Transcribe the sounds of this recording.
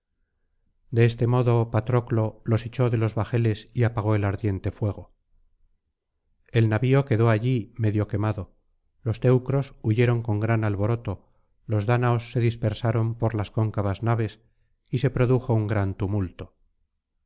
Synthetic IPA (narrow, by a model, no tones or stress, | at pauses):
d̪e̞est̪e̞mo̞ðo̞pat̪ɾo̞klo̞lo̞set͡ʃo̞ðe̞lo̞zβaxe̞le̞siapaɣ̞o̞elaɾðje̞nt̪e̞fwe̞ɣ̞o̞ | e̞lnaβio̞ke̞ðo̞aʎime̞ðjo̞ke̞maðo̞ | lo̞st̪e̞wkɾo̞suʝe̞ɾoŋko̞ŋɡɾanalβo̞ɾo̞t̪o̞ | lo̞zðanaosːe̞ðispeɾsaɾo̞mpo̞ɾlasko̞ŋkaβaznaβ̞e̞s | ise̞pɾo̞ðuxo̞uŋɡɾant̪umult̪o